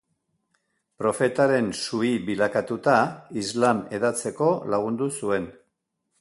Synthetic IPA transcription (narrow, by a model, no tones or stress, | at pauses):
pɾo̞fe̞t̪aɾe̞nsuiβilakat̪ut̪aizlame̞ðat͡se̞ko̞laɣ̞und̪usue̞n